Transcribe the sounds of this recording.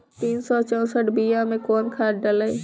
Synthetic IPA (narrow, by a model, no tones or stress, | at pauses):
t̪iːnsɔt͡ʃɔ̃ːsəʈbiːjamẽkɔːnkʰaːɾɖəlai